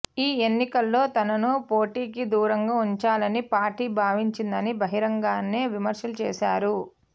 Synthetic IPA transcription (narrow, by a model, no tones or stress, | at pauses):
iːe̞nːikɐlːo̞ːt̪ɐnɐnupo̞ːʈiːkid̪uːɾɐŋɡaːuɲt͡ʃaːlɐnipaːɾʈiːbʱaːʋiɲt͡ʃind̪ɐnibʱɐɦiɾɐŋɡaːnːeːʋimɐɾʃɐlut͡ʃeːʃaːɾu